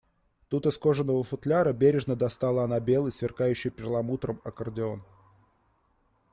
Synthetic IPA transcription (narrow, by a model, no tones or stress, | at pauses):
t̪ut̪ɨsko̞ʐənːəvəfʊt̪lʲaɾəbʲeɾʲɪʐnəd̪ɐst̪alˠəɐnabʲe̞lˠəjsvʲɪrkajʉɕːɪjpʲɪɾlˠɐmut̪ɾəmɐkərdʲɪo̞n